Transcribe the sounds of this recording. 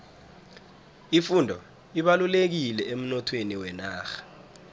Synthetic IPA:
ifundʱɔ̰ | iɓalulek̬ilɛem̩nɔtʰweniwɛnaːxḁ

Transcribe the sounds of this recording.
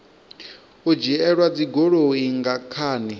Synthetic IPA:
ud͡ʒiɛɺwad͡ziɡoɺoiŋɡakʰaːni

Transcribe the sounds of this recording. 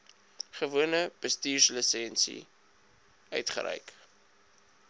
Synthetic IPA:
χəvuənəb̥əstiːrsləsɛnsḭ | œ̰ɥtχə̰ɾə̰jk

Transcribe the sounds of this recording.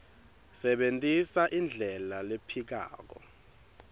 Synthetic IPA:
sɛɓentʼisaʔind͡ɮʱɛlalepʰik̬a̰ːk̬ɔ̰

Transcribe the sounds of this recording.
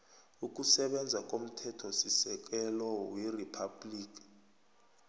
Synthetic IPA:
uk̬ʼusɛɓɛnd͡zʱakʼom̩tʰɛtʰɔsisɛk̬ʼɛlɔwiripʰabliːkʼi̥

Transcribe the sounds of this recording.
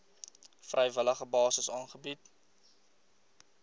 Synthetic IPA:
frʔəjvələχəbɑːsəsɑːnχəbit

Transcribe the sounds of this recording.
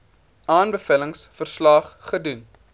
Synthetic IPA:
ɑːnbəfələŋsfərslɑːχχədun

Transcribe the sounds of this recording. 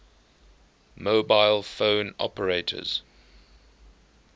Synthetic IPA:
moʊbaɪlˠfõʊnɔ̰pəɹeɪtʰə̰z̥

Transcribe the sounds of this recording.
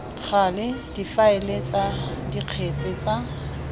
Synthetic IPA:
χalɪd̥ifaɪlet͡sʼadiq͡χʰet͡sʼɪt͡sʼa

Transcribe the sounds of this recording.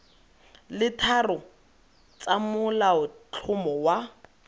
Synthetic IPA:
lɪtʰarʊ | t͡samʊlaʊt͡ɬʰʊmɔwa

